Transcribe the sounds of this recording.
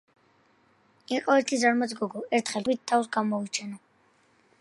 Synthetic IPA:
ɛqʼɔɛɾt̪ʰizaɾmad̪sɡɔɡɔɛɾt̪ʰχɛlwit̪̚t̪ʰːawsɡamɔit͡ʃʰɛna

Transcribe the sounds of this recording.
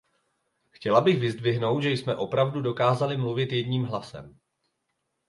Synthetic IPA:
xcɛlabɪxvɪzdvɪɦno̞wt̪ʒɛjsmɛʔo̞pɾavdudo̞kaːzalɪmluvɪt̪jɛdɲiːmɦlasɛ̰m

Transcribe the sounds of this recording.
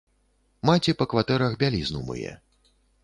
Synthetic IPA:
mat͡sʲipɐkvat̪ɛɾɐɣbʲalʲiznumɨ̰jɛ̰

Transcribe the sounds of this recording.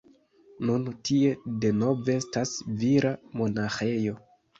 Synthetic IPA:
nuntie̞de̞no̞veestasviɾamo̞naxe̞jo̞

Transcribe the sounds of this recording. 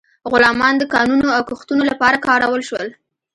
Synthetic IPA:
ɣʊlɑmɑnd̪əkɑnunoawkuxt̪unolapɑɾakɑɾawəlʃwəl

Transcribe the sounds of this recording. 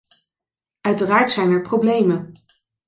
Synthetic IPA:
œɥtəraːɹtsɛjnɛɹprowblejmən

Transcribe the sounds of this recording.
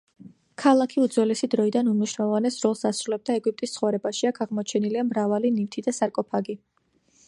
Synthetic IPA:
kʰalˠakʰiud̪zwɛlɛsid̪ɾɔid̪anumniʃnalɔvanɛsɾɔlˠsd̪asɾulɛb̚d̪aɛɡwip̚ʼt̪ʼist̪sʰχɔvɾɛbaʃiakʰaʁmɔt͡ʃʰɛniliamɾavalinift̪ʰid̪asaɾkʼɔpʰaɡi

